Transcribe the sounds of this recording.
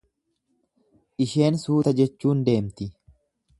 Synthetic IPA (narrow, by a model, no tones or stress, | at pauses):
ʔɪʃe̞ːnsuːt̪ɐd͡ʒɛt͡ʃːuːnd̪e̞ːmt̪ɪ